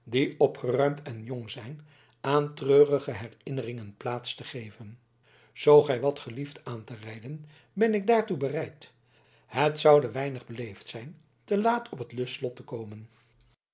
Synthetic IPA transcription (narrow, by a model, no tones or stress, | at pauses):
diɔpχərœɥmtʰɛnjɔŋzɛjn | ʔaːntrøːrəχəɦɛrɪnərɪŋənplaːtstəχejvən | z̥owχɛjʋɑtχəliftaːntərɛjdən | bɛnɪɡ̚daːɹtubərɛjt | hətsɑwdəʋɛjnəχbəlejftsɛjn | təlaːtʰɔpətlɵslɔtəkowmən